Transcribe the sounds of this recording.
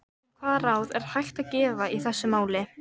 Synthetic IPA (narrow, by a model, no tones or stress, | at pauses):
kʰvaːɾawðɛɾ̥hajxt̪aðcɛːvaiθɛsːʏmaːwlɪ